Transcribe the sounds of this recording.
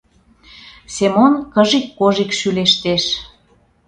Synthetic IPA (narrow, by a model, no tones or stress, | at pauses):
semonkəʒikːoʒikʃyleʃt̪eʃ